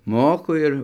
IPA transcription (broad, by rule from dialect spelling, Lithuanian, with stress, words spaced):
ˈmoːkʊ ˈɪr